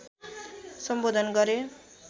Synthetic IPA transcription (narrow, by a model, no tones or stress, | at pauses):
sʌmbod̪ʱʌnɡʌɾe